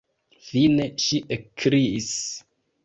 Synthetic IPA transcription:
fine̞ʃiʔekʰɾiis

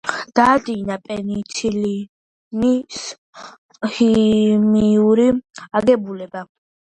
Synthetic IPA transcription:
d̪̥aːd̪inapʼɛnit̪ʰili | mis | himiuɾiaɡɛbulɛba

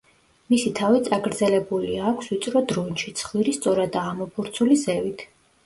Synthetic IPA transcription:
misit̪ʰavit̪sʼaɡɾd̪zɛlɛbuliaːkʷʰswit̪sʼɾɔd̪ɾɔnʃit̪sʰχwiɾist̪sʼɔɾad̪aːmɔpʰuɾt̪sʰulizɛvit̪ʰ

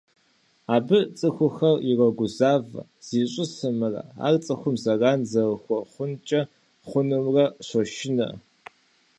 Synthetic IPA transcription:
aːbɨt͡sʼɨxʷʊxɐrirɐɡʷʊzaːvɐ̰ | z̥iːɕʼɪsɨmɨrɐ̰a̰ːrt͡sʼɐxʷʊmzɐɣaːnzɐwxʷɔχʷʊnt͡ʃʼɐ | χʷʊnɨmrɐɕʷɔʃɪnɐ̰

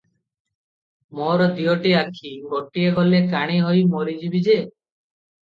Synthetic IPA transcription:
moɾɔd̪iɔʈiakʰiɡɔʈieɡɔlekaɽ̃iɦɔjmoɾid͡ʒibid͡ʒe

